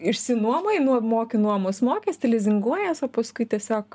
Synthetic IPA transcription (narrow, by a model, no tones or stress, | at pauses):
ɪʃʲsʲɪnuɔmɐɪnumoːkʲɪnuɔmosmoːkʲesʲt̪ʲɪlʲɛzʲɪŋɡuɔjɛːsoːpɐskʊɪt̪ʲiɛsʲoːk